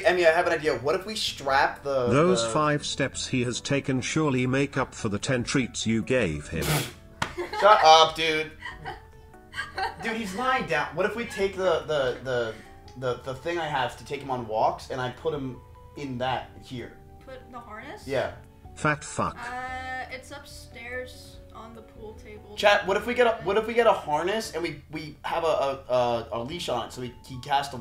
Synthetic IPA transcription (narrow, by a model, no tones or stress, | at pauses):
ɛmiaɪɨvɨ̃naɪdiɨʌvwʌɾɨfwistɹæp̚ðəðoʊz̥faɪv̥stɛpshiɨz̥tʰeɪkɨ̃nʃʊɹlˠimeɪkʌpfə˞ðɨtʰɛ̃ntʰɹ̥itsjɨɡeɪv̥ɪ̰̃m | soʔʌfd̥ʉd | dɨizlaɪ̃dãʊ̃nwʌɾɨfwitʰeɪk̚ðəðəðə | ðəðəθɪ̃ŋaɪəv̥tʰɨtʰeɪkɨ̃mə̃nwɔksɨ̃naɪpʰʊt̚hɨ̃m | ɪ̃nðɨt̚hiɹ | pʰʊt̪̚ðəhɑɹnɨsjæ | fæk̚tfʌ̰k | ɪtsʌpstɛɹz | n̩ðəpʰulˠtʰeɪbl̩ˠt͡ʃʰæt̚wʌɾɨfwiɡɛɾəwʌɾɨfwiɡɛɾəhɑɹnɨsɨ̃nwiwiəvəəʌəliʃɑnɨ̰tsoʊihikʰæstə